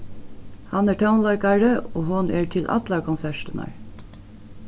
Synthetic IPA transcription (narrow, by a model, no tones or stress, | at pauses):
hɑnæːɹʈʰaʊnlɑɪkɑɹəoːɦʊnʔæːɹt̪ʰɪlʔɑ̰t̪lɑkʰɔnsæʃtənɑ̰ɹ